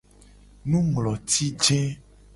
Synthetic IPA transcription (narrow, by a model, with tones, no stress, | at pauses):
nũ˦mlɔ˨t̪i˦d͡ʒɛ˦